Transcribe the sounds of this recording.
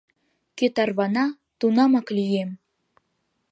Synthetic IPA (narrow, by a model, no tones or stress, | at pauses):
ket̪ɑrβɑnɑ | t̪unɑmɑklyjem